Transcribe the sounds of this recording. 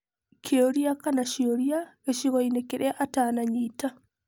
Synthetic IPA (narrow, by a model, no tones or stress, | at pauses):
kʰeoɾjakanaʃioɾiaeʃiɣɔinekeɾʔeaʔataːnaɲiːta